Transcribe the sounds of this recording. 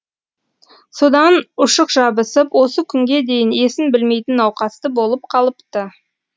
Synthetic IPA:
so̞d̪ɑnʊʃəqʒ̥ɑbəsəpwo̞səkʲʰʏŋɡʲe̞d̪e̞jɪne̞sɪnbɪlme̞jt̪ɪnːɑwqɑst̪əbo̞lˠəp̚qʰɑlˠəpt̪ə

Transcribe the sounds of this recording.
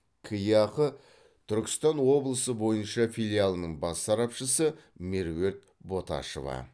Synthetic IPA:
kʰəjɑqə | t̪ʰʏɾkʲɪ̥st̪ɑnwo̞blˠəsəbo̞jənʃɑfʲilʲialˠənəɴbɑsːɑɾɑpʃəsəmeɾwe̞ɾt̪̚ | bo̞t̪ɑ̰ʃo̰vɑ̰

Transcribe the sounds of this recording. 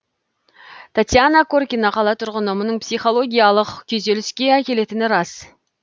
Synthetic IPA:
t̪ʰat̪ʲjanakʰorkʲinɑqʰɑlˠɑt̪ʰʊɾʁənəmənəɴpsijχo̞lˠo̞ɡʲijalˠəqkʲʰɵze̞lɪskʲe̞ækʲe̞le̞t̪ɪnɪɾɑs

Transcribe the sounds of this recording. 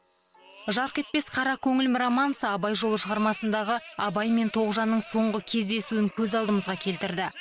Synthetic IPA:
ʒɑɾqʲe̞t̪̚pe̞sqʰɑɾɑkʲʰɵŋɪlmɪɾamɑnsəɑbɑjʒo̞lˠəʃəʁɑɾmɑsənd̪ɑʁəɑbɑjme̞nt̪ʰo̞ʁəʒɑnːəɴso̞ɴʁəkʲʰe̞zd̪e̞suɪŋkʲʰɵzɑlˠd̪əməzʁɑkʲʰe̞lt̪ɪɾd̪ɪ

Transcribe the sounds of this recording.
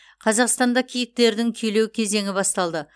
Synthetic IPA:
qʰɑzɑqst̪ɑnd̪ɑkʲʰijɪk̚t̪e̞ɾd̪ɪŋkʲʰɵjle̞wkʲʰe̞ze̞ŋɪbɑst̪ɑlˠd̪ə

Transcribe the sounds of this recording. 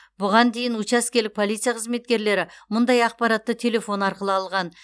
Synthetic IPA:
bʊʁɑnd̪e̞jɪnwʊt͡ʃɑskʲe̞lɪk̚pʰo̞lˠijt̪sɨjaqʰəzme̞t̪̚kʲe̞ɾle̞ɾɪmʊnd̪ɑjɑq̚pɑɾɑt̪ːət̪ʰe̞le̞fo̞nɑɾqəlˠəɑlˠʁɑn

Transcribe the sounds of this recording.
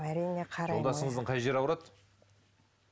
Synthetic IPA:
æɾijneqʰɑɾolˠd̪ɑsəɴəzəɴqʰɑjʒe̞ɾɑwɾɑt̪

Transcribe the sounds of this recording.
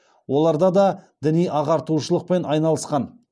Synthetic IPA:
wo̞lˠɑɾd̪ɑd̪ɑd̪ɪnijʔɑʁɑɾt̪uʃəlˠəq̚pe̞nɑjnɑlˠəsqɑn

